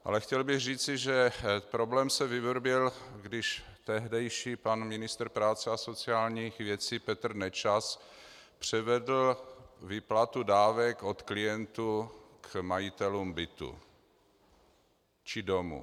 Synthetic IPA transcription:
ʔa̰lɛxcɛlbɪɣriːt͡sɪʒɛpɾo̞blɛːmsɛvɪvɾbjɛlɡdɪʃt̪ɛɦdɛjʃiːpanmɪnɪst̪r̩pɾaːt͡sɛaso̞t͡sɪaːlɲixvjɛt͡siːpɛt̪r̩nɛt͡ʃaspr̝̥ɛvɛdl̩vɪplat̪udaːvɛko̞t̪klɪjɛnt̪ukmajɪt̪ɛluːmbɪt̪ṵ | t͡ʃɪdomṵ

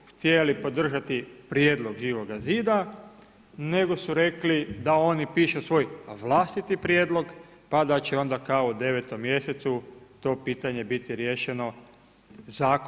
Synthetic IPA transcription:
xt̪jelipo̞d̪r̩ʒat̪ipɾjeːd̪lˠo̞ɡʒiːʋo̞ɡaziːd̪a | ne̞ɡo̞suɾe̞klid̪ao̞nipiːʃusʋo̞jʋlˠaːst̪it̪ipɾjeːd̪lˠo̞ɡ | pad̪at͡ɕeo̞nd̪akaoud̪e̞ʋet̪o̞mːje̞set̪sut̪o̞ːpiːt̪aɲe̞bit̪iɾjeːʃe̞no̞ | zaːk

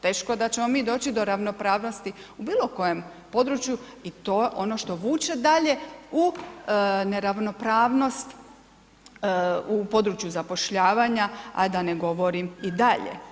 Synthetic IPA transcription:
t̪e̞ːʃkoed̪at͡ɕemo̞miːd̪o̞ːt͡ɕid̪o̞ɾaʋno̞pɾaːʋno̞st̪iubiːlo̞ko̞jem | po̞d̪ɾut͡ʃjuit̪oʔo̞no̞ʃt̪o̞ʋuːt͡ʃe̞d̪aʎe̞u | ne̞ɾaʋno̞pɾaːʋno̞st̪ | upo̞d̪ɾut͡ʃjuzapo̞ʃʎaːʋaːɲaa̰d̪aneɡo̞ʋo̞ɾimid̪aʎḛ

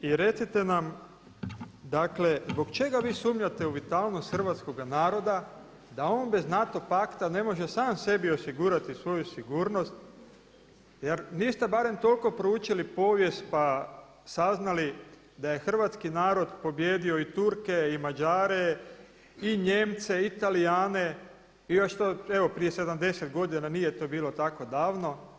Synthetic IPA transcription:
iɾe̞t̪sit̪e̞nam | d̪akle̞zbo̞kt͡ʃe̞ɡaʋiːsuːmɲat̪e̞uʋit̪alˠno̞st̪xr̩ʋat̪sko̞ɡanaːɾo̞d̪a | d̪ao̞ːnbe̞znat̪o̞pakt̪ane̞mo̞ʒe̞saːmse̞bio̞siɡuːɾat̪isʋo̞jusiɡuːɾno̞st̪ | jeɾnist̪ebaɾe̞mt̪o̞lko̞pɾouːt͡ʃilipo̞ːʋje̞st̪̚pa | saznali | d̪aje̞xr̩ʋat̪skinaːɾo̞d̪po̞bjeːd̪io̞it̪uɾkeimad͡ʒaːɾe | iɲe̞mt̪se̞it̪alijaːne̞ | ijoʃt̪oeʋo̞pɾije̞se̞d̪amd̪e̞set̪ɡo̞d̪inanije̞t̪o̞ːbiːlo̞t̪ako̞d̪aːʋno̞

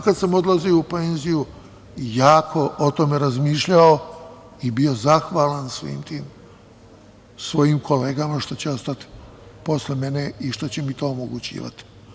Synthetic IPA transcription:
kad̪samo̞d̪lˠazioupe̞ːnziju | jaːkʰo̞ʔot̪omeɾazmiːʃʎao | ibio̞zaxʋaːlansʋḭːmt̪iːm | sʋo̞jimkʰo̞le̞ːɡamaʃt̪ot͡ɕeo̞st̪at̪i̥po̞sle̞me̞ne̞iʃt̪ot͡ɕemit̪o̞ːomoɡut͡ɕḭːʋa̰t̪i̥

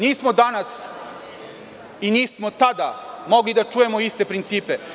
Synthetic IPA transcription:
niːsmod̪anas | iniːsmo̞t̪ad̪amo̞ɡlid̪at͡ʃuːje̞moist̪epɾint̪siːpe

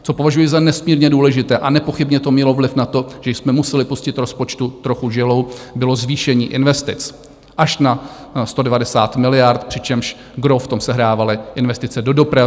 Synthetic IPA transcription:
t͡sopovaʒujɪzanɛsmiːɾɲɛduːlɛʒɪt̪ɛːʔanɛpo̞xɪbɲɛt̪omɲɛlo̞vlɪfnat̪o̞ʒ̥ɛjsmɛmusɛlɪpuscɪt̪ɾo̞spo̞t͡ʃt̪ut̪ɾo̞xuʒɪlo̞wbɪlo̞zviːʃɛɲiːʔɪnvɛst̪ɪt͡s | ʔaʃna | st̪o̞dɛvadɛsaːt̪mɪlɪjaɾt̪pr̥ɪt͡ʃɛmʃ | ɡɾoft̪o̞msɛɦɾaːvalɪʔɪnvɛst̪ɪt͡sɛdo̞do̞pɾa

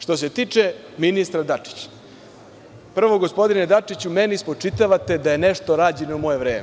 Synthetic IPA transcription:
ʂt̪o̞se̞t̪iːt͡ʂe | minist̪ɾad̪at͡ʂi̥t͡ɕḁ | pr̩ʋo̞ɡospo̞d̪ined̪at͡ʂit͡ɕumenispo̞t͡ʂit̪aʋat̪e̞d̪aje̞neʂt̪o̞ɾaːd͡ʑe̞noumo̞je̞ʋɾeːme

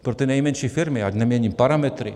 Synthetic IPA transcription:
pɾot̪ɛnajmɛnʃifiɾmiadnɛmjɛɲʲimpaɾamɛt̪ɾi

